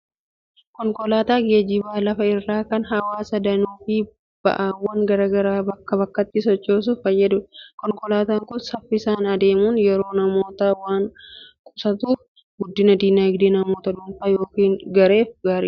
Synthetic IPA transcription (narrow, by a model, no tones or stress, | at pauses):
kɔŋkɔlaːt̪aːɡeːd͡ʒɪbaːlɐfɐɪrːaːkɐnɦɐwaːsɐd̪ɐnuːfɪ | b̥ɐ̰ʔaːwːɐŋɡɐɾaːɡɐɾaːbɐkːɐbɐkːɐt̪ːɪsɔt͡ʃːoːs̬ʊfɐjːɐd̪ʊkɔŋkɔlaːt̪aːŋkʊnsɐfːɪsaːnɐd̪e̞ːmuːnjɛɾo̞ːnɐmo̞ːt̪awaːŋkʼʊsɐt̪uːf | ɡʊd̪ːɪnɐd̪iːnɐɪɡd̪enɐmo̞ːt̪ɐᶑʊmfɐjo̞ːkiːnɡɐɾe̞ːfɡaːɾḭː